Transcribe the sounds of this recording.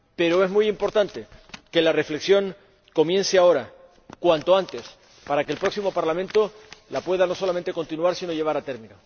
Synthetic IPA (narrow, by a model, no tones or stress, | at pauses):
pe̞ɾo̞e̞zmujimpo̞ɾt̪ant̪e̞ke̞lare̞fle̞ksjo̞ŋ | ko̞mje̞nseao̞ɾa | kwant̪o̞ant̪e̞s | paɾake̞ːlpɾo̞ksimo̞paɾlamẽ̞nt̪o̞ | lapwe̞ðano̞so̞lament̪e̞ko̞nt̪inuaɾsino̞ʎe̞β̞aɾat̪e̞ɾmĩno